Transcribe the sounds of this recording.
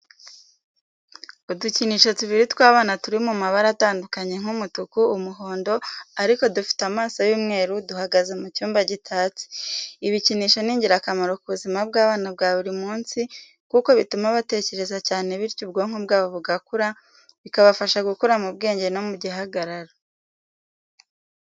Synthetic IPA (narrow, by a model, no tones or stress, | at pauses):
uduciniːʃo̞tuβiɾitwaːβaːnatuɾimumaβaɾataːndukaɲe̞ŋ̥humutukuːmuɦo̞ːndo̞aɾiko̞dufi̥tamaːsajuːmŋe̞ːɾuduhaɡaze̞mucuːmbaɟitʰaːt͡si̥iβiciniːʃo̞niːɲɟiɾakamaɾo̞kuβuzimab̚ɡaːβaːnabɡaːβuɾimuːnsi | kuko̞βitumaβate̞ce̞ɾe̞zacaːne̞βiɾcub̚ɡo̞ŋ̥hobɡaːβo̞βuɡakuɾa | βikaβafaʃaɡukuɾamubɡe̞ːɲɟe̞nomuɟiɦaɡaɾaɾa